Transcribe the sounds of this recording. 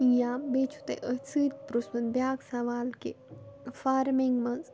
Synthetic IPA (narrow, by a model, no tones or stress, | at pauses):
jãbet͡ʃʰu̥t̪ɐ̰ʔət͡sɨːt̪̚ʲpɾusmɐnbjaːɡsɐʋaːlkḛ | faːɾmiŋɡmɐz